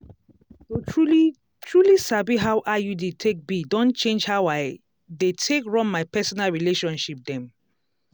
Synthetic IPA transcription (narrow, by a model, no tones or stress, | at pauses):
souli | tʰɹulisabiɦaʊʔajudetʰek̚bidõnt͡ʃẽnd͡ʒhawaɪ | detʰekɹɔ̃mːaɪpʰɛsɔnalɹileʃɔ̃nʃip̚d̪ɛ̃m